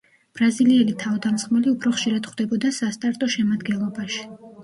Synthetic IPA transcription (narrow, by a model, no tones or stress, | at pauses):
b̥ɾaziliɛlit̪ʰavd̪amsχmɛliupʰɾɔχʃiɾad̪̥χwd̪̥ɛbɔd̪asast̪ʼaɾt̪ʼɔʃɛmad̪ɡɛnlˠɔbaʃi̥